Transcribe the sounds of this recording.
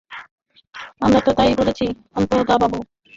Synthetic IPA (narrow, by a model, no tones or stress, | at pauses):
amɾat̪ot̪aiboɭet͡ɕʰi | ant̪od̪ababu